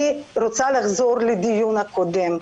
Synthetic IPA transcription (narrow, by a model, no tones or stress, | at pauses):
iɾot̪salaɣzoɾlud̪ijunakod̪em